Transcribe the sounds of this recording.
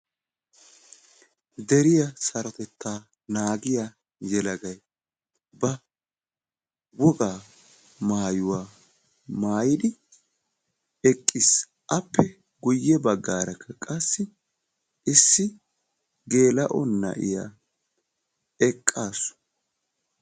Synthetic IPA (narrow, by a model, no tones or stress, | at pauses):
d̪ɛɾɪjɐsɐɾɔt̪ɛt̪ːaː | naːɡɪja | jɛlɐɡɐj | bɐ | wɔɡaː | maːjʊwaː | maːjɪd̪ɪ | ɛkʼːɪs | ʔɐpːɛ | ɡʊjːɛbɐɡːaːɾɐkʰːɐkʼɐsːɪ | ʔɪsːɪ | ɡe̞ːlɐʔɔnːɐ̰ʔɪ̰ja̰ | ɛkʼːaːsʊ̥